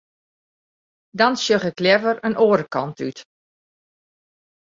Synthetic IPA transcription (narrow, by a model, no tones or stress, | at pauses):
dɔnsjøχɪklɛvəɾənoːɾəkʰɔntyt